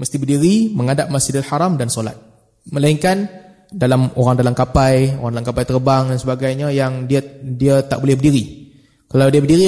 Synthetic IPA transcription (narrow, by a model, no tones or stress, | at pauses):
məst̪ibərdiɾiməŋadaʔ̚masidat̪ħaɾamdansola̰t̪̚ | mə̃laiŋkan | dalamoɾaŋdalamkapajo̰ɾaŋdalamkapajt̪ərbaŋdansəbaɡajɲajaŋdiadiat̪a̰ʔbolɛhbərdiɾi | kalawdiəbərdiɾi